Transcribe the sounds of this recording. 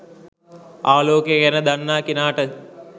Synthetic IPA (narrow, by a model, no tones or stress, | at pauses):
aːloːkjəɡɛnəd̪anːaːkinaːʈə